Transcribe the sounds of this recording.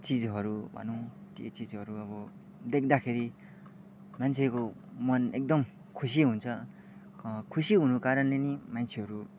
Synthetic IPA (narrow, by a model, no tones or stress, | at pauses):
t͡sid͡zɦʌɾubʱʌ̰nõt̪jo̰t͡sid͡zʌɾuʌbʌ | d̪ek̚ʰd̪akʰeɾi | mant͡sʰekomʌnek̚d̪ʌm | kʰus̬iɦunt͡sʰʌ | kʰusiɦunukaɾʌnlenimant͡sʰeɦʌɾu